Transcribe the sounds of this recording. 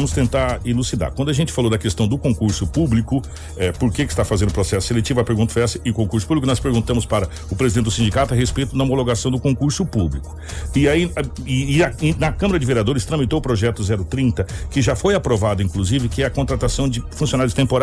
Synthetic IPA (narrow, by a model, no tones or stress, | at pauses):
mʊst̪ẽnt̪aɾilusid̪a̰ɾkwɐ̃nd̪ʊaʒẽnt͡ʃɪfalowd̪ɐkest̪ɐ̃w̃d̪ʊkõkuɾsʊpublikʊ | ɛpoɾkekɪst̪afazẽnd̪ʊpɾosɛsʊ̥selet͡ʃivʊɐpeɾɡũt̪ɐfojɛsɐɪʊkõkuɾsʊ̥publkʊnɔspeɾɡũnt̪ɐ̃mʊspaɾɐ | ʊpɾezid̪ẽɪd̪ʊsĩnd͡ʒikat̪ʊɐɦespejt̪ʊnɐomoloɡasɐ̃w̃d̪ʊkõkuɾsʊpublikʊ̥ɪaiɪːɐnɐkɐ̃mɐɾɐd͡ʒɪveɾiad̪oɾɪst̪ɾɐ̃mit̪oʊpɾoʒɛt̪ʊzɛɾʊt̪ɾĩnt̪ɐkɪʒafojapɾovad̪ʊĩkluzivɪkɪɛɐkõnt̪ɾat̪asɐ̃w̃d͡ʒɪfũsionaɾjʊd͡ʒɪt̪ẽmpoɾa